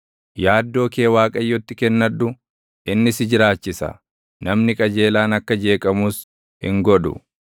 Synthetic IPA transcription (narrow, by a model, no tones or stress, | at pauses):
jaːd̪ːo̞ːke̞ːwaːkʼɐjːɔt̪ːɪkɛnːɐᶑʊ | ʔɪnːɪsɪd͡ʒɪɾaːt͡ʃːɪsɐ̰ | nɐmnɪkʼɐd͡ʒe̞ːlaːnɐkːɐd͡ʒe̞ːkʼɐmuːs | hɪ̰ŋɡɔᶑʊ̰